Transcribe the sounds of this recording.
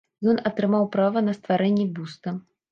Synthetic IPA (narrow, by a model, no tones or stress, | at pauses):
jɔnɐt̪ɾɨmawpɾavɐnɐst̪vaɾɛnʲːibust̪ɐ